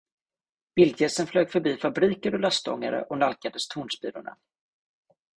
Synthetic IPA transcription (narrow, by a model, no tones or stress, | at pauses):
b̥ɪld̪jɛsənfløːɡfœbiːfabɾiːkəɾɔlœst̪ɔ̰ŋːa̰ɾə̰ʔɔnalkad̪əst̪ʰuːɳʂbiːlʊɳa̰